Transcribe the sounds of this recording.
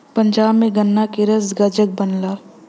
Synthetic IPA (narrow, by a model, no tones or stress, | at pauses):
pə̃nd͡ʒaːbmẽɡɐnːakɪɾəsɡɐd͡ʒək̚bənlaː